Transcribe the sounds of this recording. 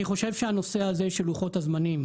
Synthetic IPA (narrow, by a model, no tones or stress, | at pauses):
niχo̞ʃe̞vʃeano̞se̞azeʃeluχo̞tazmanim